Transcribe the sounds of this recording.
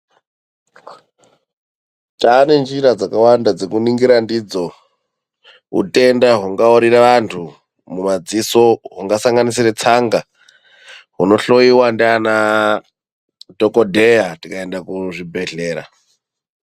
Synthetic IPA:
taːne̞nd͡ʒiɾad͡zakawandad͡zekuniŋɡiɾandid͡zo̞ | ɦṵte̞ndaɦuŋɡaoɾiraʋantʰu | mumad͡ziso̞ɦuŋɡasaŋɡanisiret͡saŋɡa | ɦuno̞ɬo̞iwandiana | dokodʱejatikaendakuʐibʱe̞ɮe̞ːɾa̰

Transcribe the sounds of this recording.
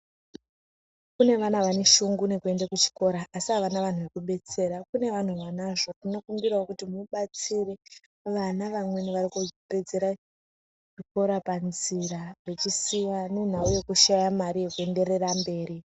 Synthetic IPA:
kune̞ʋanaʋane̞ʃuŋɡune̞kue̞ndakut͡ʃi̥ko̞ɾaʔːsiɦaʋanaʋan̤uʋe̞kuɓe̞t͡se̞ɾakune̞ʋan̤uʋanaʐo̞tino̞kumbiraokutimuɓat͡sire | ʋanaʋamwe̞niʋarikupe̞d͡ze̞ɾa | ʐiko̞ɾapanzirare̞t͡ʃisijanen̤auje̞kuʃajamaɾije̞kue̞nde̞re̞rambe̞ːɾi

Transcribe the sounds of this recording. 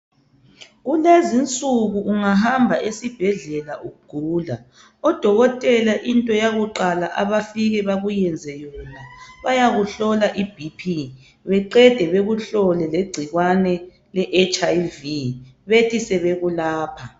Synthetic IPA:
ɣulezint͡sʼuɣuʔuŋaɦambʱaʔesib̥ʱɛɮɛlaʔuɣuɡ̥ʱuːla̰ | ɔd̥ʱɔɣɔtʼɛlaʔintʼɔjaɣuǃalaʔaβafiɣɛβaɣujɛnd͡zʱɛjɔnaβajaɣuɬɔlaʔib̥ʱipʰi | βɛǃɛd̥ʱɛβeɣuɬɔlɛleɡ͡ǀʱiɣwanɛ | lɛʔet͡ʃʼajviβetʰisɛβeɣulaːpʰa

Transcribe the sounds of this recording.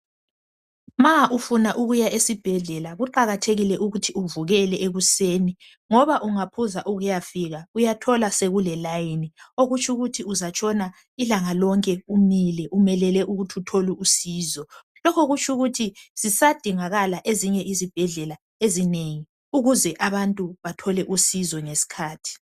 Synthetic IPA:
maʔufunaʔuɣujaʔesib̥ʱɛɮɛlaɣuǃaɣatʰeɣilɛʔuɣutʰiuvuɣɛlɛʔeɣuseːni | ŋɔβaʔuŋapʰuzaʔuɣujafiɣaujatʰɔlaseɣulɛlajinioɣut͡ʃʰʼuɣutʰiuzat͡ʃʰʼɔna | ilaŋalɔŋkʼɛumilɛʔumɛlɛlɛʔuɣutʰutʰoluusiːzɔ | lɔkʰoɣut͡ʃʰʼuɣutʰiz̥isad̥ʱiŋaɣalaʔeziɲɛʔizib̥ʱɛɮɛla | ezineŋi | uɣuzɛʔaβantʼuβatʰɔlɛʔusizɔŋesi̥kʰaːtʰi̥

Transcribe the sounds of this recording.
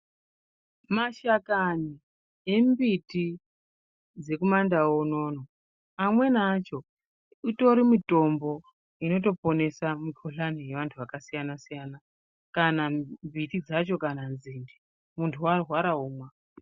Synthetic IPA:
maʃakani | e̞mbiti | d͡ze̞kumandaono̞ːno | amwe̞nat͡ʃo̞ | ito̞ɾimito̞mbo̞ | ino̞to̞po̞ne̞samikʰuɬanije̞ʋantʰuʋakasijanasijana | kanambitid͡zat͡ʃo̞kananzindi | muntʰuwarwaɾaɦuːmwa

